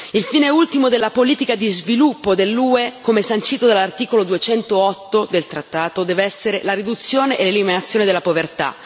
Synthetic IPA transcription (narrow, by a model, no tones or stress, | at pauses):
ilfiːneult̪imod̪elːapoliːt̪ikad̪izvilupːod̪elːuːekomesant͡ʃiːt̪od̪elːart̪iːkolod̪uet͡ʃɛnt̪oɔt̪ːod̪elt̪ɾat̪ːaːt̪od̪ɛːveɛsːeɾelaɾid̪ut̪sːjoːneʔeleliminat̪sːjoːned̪elːapovert̪a̰